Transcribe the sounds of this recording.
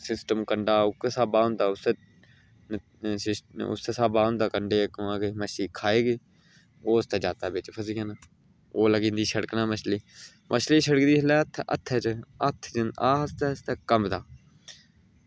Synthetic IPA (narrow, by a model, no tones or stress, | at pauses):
sɪsʈəmkəɳɖaːʊkːsaːbaːʊ̃nd̪aːʊse | ɪsʊ̰seːsaːbaːɦʊ̃nd̪aːkəɳɖeːkãːɡeməʃiːkʰaːeːɡeː | oːʊst̪ɛːd͡ʒaːt̪aːbet͡ʃpʰəs̬iːɡana | oːləɡĩːnd̪iːʃəɽəknaːməʃliː | mʔəʃliːʃəɽəkd̪iːɦlɛːt̪ʰə̰t̪ʰːɛt͡ʃəət̪ʰːd͡ʒənaːɦəst̪ɛːst̪ɛːkəmd̪aː